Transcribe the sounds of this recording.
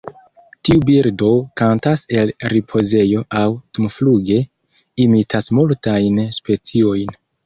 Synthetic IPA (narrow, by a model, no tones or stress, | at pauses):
tiubiɾdo̞kantase̞lɾipʰo̞ze̞jo̞ʔawtumfluɡe̞ | imitʰasmultajnspe̞t͡sio̞jn